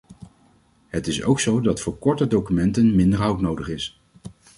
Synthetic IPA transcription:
ɦətɪso̰wksowdɑtfʊːɹkɔɹtədowkymɛntənmɪndəɹɦʌwtnowdəχɪs

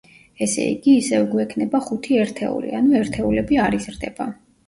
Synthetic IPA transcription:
ɛsɛ̰ḭɡiːsɛvɡwɛkʰnɛbaχut̪ʰiɛɾt̪ʰɛ̰ṵlḭanuɛɾt̪ʰɛulɛbiaɾizɾd̪ɛb̥a

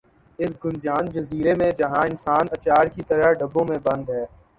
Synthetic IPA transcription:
ɪsɡʊnd͡ʒaːnd͡ʒɐziːɾemẽd͡ʒɐɦãɪnsaːnɐt͡ʃaːɾkit̪əɾaɖəbːõmẽbɐ̃nd̪ɦɛː

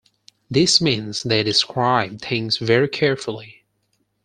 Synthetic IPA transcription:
ðɪsmĩnzðeɪɾɨskʰɹaɪb̚θɪ̃ŋzvɛɹikʰɛɹfl̩ˠi

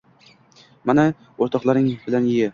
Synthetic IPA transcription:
mana | oɾt̪ʰɒqlˠaɾɪŋbɪlanjɪjɪ

